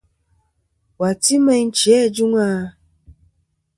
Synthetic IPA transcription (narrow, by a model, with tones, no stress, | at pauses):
wa˨ti˦mɛ˧˦n̩˦t͡ʃi˨ɛ˦˨d͡ʒu˦ŋa˦